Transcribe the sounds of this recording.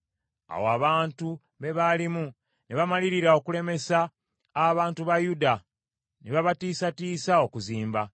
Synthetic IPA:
a̰woaβaːntu | βe̞βalimu | neβamaliɾiɾao̞kule̞me̞saː | βaːntuβajuda | neβaβatiːsatiːsao̞kuziːmba

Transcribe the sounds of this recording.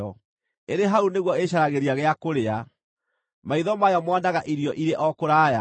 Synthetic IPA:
ɔ | eɾeɦauneɣwɔeɕaɾaɣeɾiaɣeakoɾea | maiðɔmajɔmwandaɣaʔiɾijɔʔiɾeʔɔkoɾaːja̰

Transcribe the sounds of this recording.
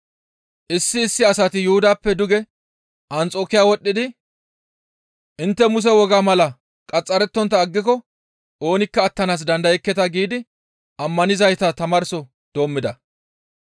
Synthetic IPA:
ʔɪsːɪːsːɪɐsɐt̪ɪjʊhʊd̪aːpːɛd̪ʊɡɛ | ʔɐnt͡sʼo̞ːkɪjaːwɔɗʼːɪd̪ɪ | ʔɪnt̪ːɛmʊs̬ɛwɔɡaːmɐlɐ | kʼɐt͡sʼːɐɾɛt̪ːɔnt̪ːɐːɡːɪkɔ | ʔo̞ːnɪkːɐːt̪ːɐnaːs̬d̪ɐnd̪ɐjɛkːɛt̪ɐɡiːd̪ɪ | ʔɐmːɐnɪzɐjt̪ɐt̪ɐmɐɾsɔ | d̪̥o̞ːmːɪd̪ɐ

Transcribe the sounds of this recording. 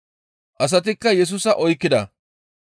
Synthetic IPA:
ʔɐs̬ɐt̪̬ɪkːɐjɛs̬uːsɐʔɔjkːɪd̪ɐ

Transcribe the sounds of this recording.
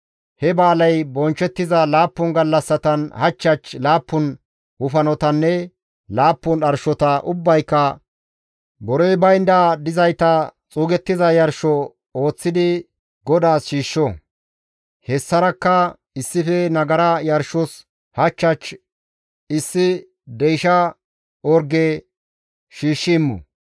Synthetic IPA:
hɛbaːlɐjbɔnt͡ʃːɛt̪ːɪzɐlaːpːʊnɡɐlːɐsːɐt̪ɐnhɐt͡ʃːɐt͡ʃlaːpːʊn | hʊfɐnɔt̪ɐnːɛ | laːpːʊnɐɾʃɔt̪ɐʔʊbːɐjkːɐ | bɔɾɔjbɐjnd̪aːd̪ɪzɐjt̪ɐt͡sʼuːɡɛt̪ːɪzɐjɐɾʃɔ | o̞ːt͡sːɪd̪ɪ | ɡɔd̪aːsʃiːʃːɔ | hɛsːɐɾɐkːɐ | ɪsːɪfɛnɐɡɐɾɐjɐɾʃɔs | hɐt͡ʃːɐt͡ʃ | ɪsːɪ | d̪ɛjʃɐ | ɔɾɡeː | ʃiːʃːɪːmːɔ̰

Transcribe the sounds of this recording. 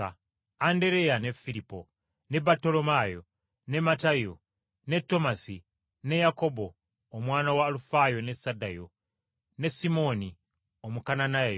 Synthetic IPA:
a | ande̞ɾe̞jane̞fiɾipo̞̰ | ne̞baɾto̞lo̞majo̞ | ne̞matajo | ne̞tːo̞masi | ne̞jako̞bo̞ː | mwaːnawaːlufajo̞ne̞sadajo̞̰ | ne̞simo̞ni | omukananaaj

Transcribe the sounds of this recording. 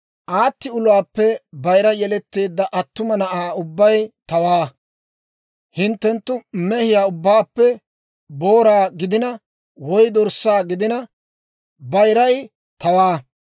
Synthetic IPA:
ʔaːt̪ːɪʊlʊwaːpːɛbɐjɾɐjɛlɛt̪ːe̞ːd̪ːɐʔɐt̪ːʊmɐnɐʔaːʊbːɐjt̪ɐwaː | hɪnt̪ːɛnt̪ːʊmɛhɪjaːʊbːaːpːɛ | bo̞ːɾaːɡɪd̪ɪnɐ | wɔjd̪ɔɾsːaːɡɪd̪ɪnɐ | bɐjɾɐj | t̪ɐwaː

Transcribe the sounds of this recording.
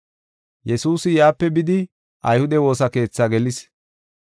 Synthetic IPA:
jɛsuːsɪjaːpːɛbɪd̪ɪ | ʔɐjhʊd̪ɛwo̞ːsɐke̞ːt͡sːaɡɛlɪs

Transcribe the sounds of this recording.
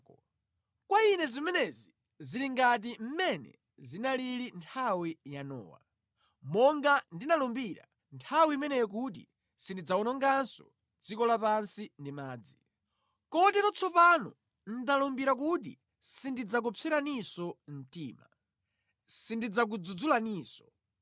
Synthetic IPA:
kwainɛzimɛnɛzi | ziɾiŋɡat̬im̩mɛnɛ̰ | zinalilintʰawijanɔ̰ːwa̰ | mɔŋɡandinalɔmbiɾa̰ | ntʰawiimɛnɛjɛk̬ut̬ḭ | sindid͡zaunɔŋɡansɔ̰ | d͡zikɔlapansindimaːd͡zi | kɔtɛɾɔt͡sʰɔpanɔ̰ | n̩dalɔmbiɾak̬ut̬ḭ | sindid͡zak̬upʰɛɾanisɔm̩tiːma̰ | sindid͡zak̬ud͡zud͡zulaniːsɔ̥

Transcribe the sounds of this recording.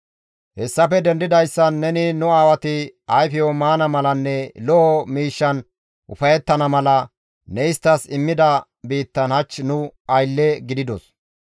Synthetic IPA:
hɛsːɐfɛd̪ɛnd̪ɪd̪ɐjsːɐnːɛnɪnʊaːwɐt̪ɪɐjfɪjɔmaːnɐmɐlɐnːɛlɔɔmiːʃːɐn | ʔʊfɐjɛt̪ːɐnɐmɐlɐ | nɛɪst̪ːɐsɪmːɪd̪ɐ | biːt̪ːɐnhɐt͡ʃːnʊɐjlːɛɡɪd̪ɪd̪ɔs

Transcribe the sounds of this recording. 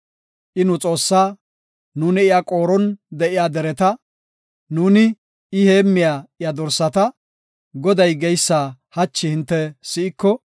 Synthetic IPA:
ʔɪnʊt͡sʼo̞ːsːaː | nuːnɪɪjakʼo̞ːɾɔnd̪ɛʔɪjaːd̪ɛɾɛt̪ɐ | nuːnɪ | ɪheːmːɪjaːɪjad̪ɔɾsːɐt̪ɐ | ɡɔd̪ɐjɡɛjsːaːhɐt͡ʃːɪhɪnt̪ːɛsɪʔɪkːɔ

